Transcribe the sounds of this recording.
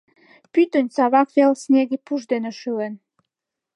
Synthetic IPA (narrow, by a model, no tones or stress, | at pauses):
pyt̪ənʲsɑβɑkβelsnʲeɣepuʒd̪eneʃyen